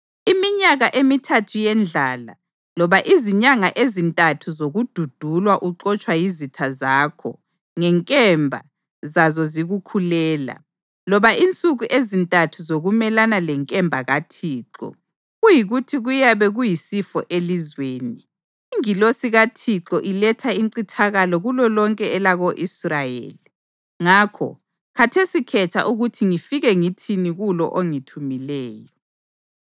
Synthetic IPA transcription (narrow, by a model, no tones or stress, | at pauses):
imiɲaɣaʔemitʰatʰujɛnd͡ɮʱaːla̰ | lɔβaʔiziɲaŋaʔezintʼatʰuzoɣud̥ʱud̥ʱulwaʔuǁɔt͡ʃʼwajizitʰazaːkʰɔ̰ | ŋɛŋkʼɛmbʱa̰ | zazɔziɣukʰulɛːla̰ | lɔβaʔint͡sʼuɣuʔezintʼatʰuzoɣumɛlanalɛŋkʼɛmbʱaɣatʰiːǁɔ̰ | ɣujiɣutʰiɣujaβɛɣujisifɔ̰ʔelizweːniː | ŋilosiɣatʰiǁɔʔilɛtʰaiŋǀitʰaɣalɔɣulɔlɔŋkʼɛɛlaɣoʔisrajḛːli | ŋakʰɔ̰ | kʰatʰesikʰɛtʰa̰ʔuɣutʰiŋifiɣɛŋitʰiniɣulɔ̰ʔoŋitʰumilɛːjɔ